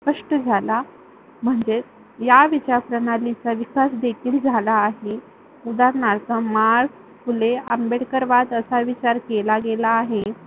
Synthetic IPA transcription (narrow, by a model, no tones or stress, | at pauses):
spəʂʈəd͡zʱala | m̤əɳd͡ze | jaʋit͡ɕaɾpɾəɳalit͡saʋikasd̪ekʰiːld͡zʱalaːɦe | ud̪aɾnaɾt͡samaɾk | fuleəmbeɽkəɾʋat̪əsaʋit͡ɕaɾkelaɡelaːɦe